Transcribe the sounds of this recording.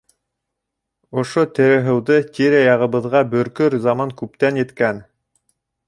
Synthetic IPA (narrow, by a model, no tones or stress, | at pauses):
ŏʃot̪ɘ̆ɾɘ̆ɦɘ̆wðɤt̪ʲiɾæjɑʁɤ̆βɤ̆ðʁɑbɵ̆ɾkɵɾzɑmɑŋkʉp̚t̪ænjɘ̆t̪kæn